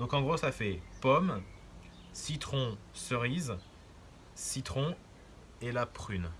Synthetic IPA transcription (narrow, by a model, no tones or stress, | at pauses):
d̪̥ɔ̃kɑ̃ɡʁosafɛpɔm | sit̪χɔ̃səʁiz | sit̪χɔ̃ | elapχyn